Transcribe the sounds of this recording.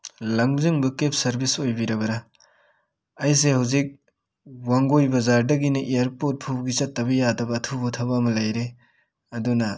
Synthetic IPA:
lɐŋziŋbɐkep̚ʰsɐɾbisojbiɾɐbɐɾa | js̬ehawzik̚ | waŋɡojbɐzaɾdɐɡinɐʔijɐɾpot̚pʰupɡit͡ʃɐtːɐbɐjadɐbɐːtʰubɐtʰɐbamɐlajɾe | ɐdunɐ

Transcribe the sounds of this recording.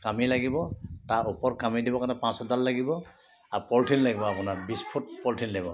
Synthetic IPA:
kamilaɡibɔtaɹʔupɔɹkamidibɔkanɛpãsazaɹlaɡibɔ | aupɔltʰinlaɡibɔapʊnaɹbispʰut̚pɔltʰinlaɡibɔ

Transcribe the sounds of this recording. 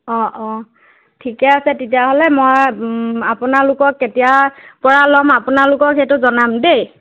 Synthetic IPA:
ɔ̃ʔɔ̃ | tʰikɛasɛtetijaɦolɛmojapunalʊkɔkːetijapɔɹalɔmapʊnalʊkɔketʊzɔnamdej

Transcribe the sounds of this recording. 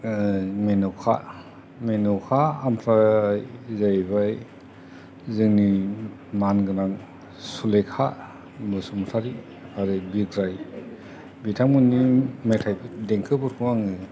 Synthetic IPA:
menɔwkʰa̰ | menɔwkʰaampʰɾajzajbaj | zɯŋni | manɡɯnaŋ | sulekʰa | mɯsumtʰaɾi | aɾɯbiɡɾaj | bitʰamɯnːimetʰajbideŋkʰɯbɯɾkʰuwaŋɯ

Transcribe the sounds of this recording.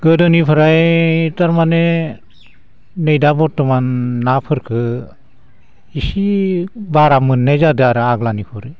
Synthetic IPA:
ɡɯdɯnipʰɯɾajtaɾmane | nejdabɔtːɔmanːapʰɯɾkʰɯ | isibaɾamɯnːajzadɯaɾɯaɡlanipʰɔɾɯ

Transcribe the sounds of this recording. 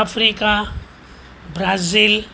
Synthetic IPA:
apʰɾika | bɾazil

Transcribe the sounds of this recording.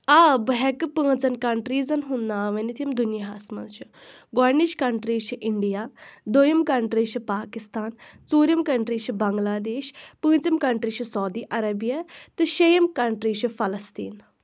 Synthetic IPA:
abɦɛkɨpə̃ːt͡sɐnkɐɳʈɾiːd͡zɐnɦunːaːʋɐnit̪ʰijɐmd̪unjɐɦasmɐ̰nt͡ʃʰi | ɡɔɾniʃkɐɳʈɾiːt͡ʃʰiʔiɳɖijaːd̪ojɐmkɐɳʈɾiːt͡ʃʰipaːkist̪aːnt͡suːɾjɐmkɐɳʈɾiːʃibɐŋɡlaːd̪eːɕpɨ̃ːt͡sɐmkɐɳʈɾiːt͡ʃʰisɐwd̪iːʔɐɾɐbjɐt̪ɨʃɐjɐmkɐɳʈɾiːt͡ʃʰifɐlɐst̪ḭːn

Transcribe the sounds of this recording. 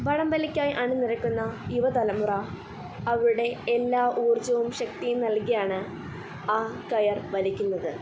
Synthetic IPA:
ʋɐɻɐmbɐlikʲːaːjʔɐɳɨnirɐkʲːunːɐjuʋɐt̪ɐlɐmurɐː | ʋɾuɽe̞ːlːaːʔuːrt͡ɕːɐʋumɕɐk̚t̪ijumnɐlkijaːɳɨ | aːkɐjɐrʋɐlikʲːunːɐðɨ

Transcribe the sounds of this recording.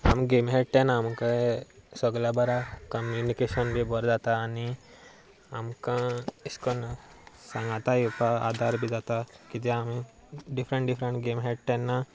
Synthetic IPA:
ɐ̰mɡeːmɦeɖʈenaːmkasɔɡlabɐɾakɐmjunikeʃɐnbʱibɔɾd͡ʒaːt̪aːni | amkãiskɔnsɐ̃ŋɡat̪ajupaa̰ːd̪ʱaɾbʱid͡ʒaːt̪akid͡ʒ̪eami | ɖipʰɾə̃ɳʈɖipʰɾə̃ɳʈɡeːmɦeʈʈɛnːa

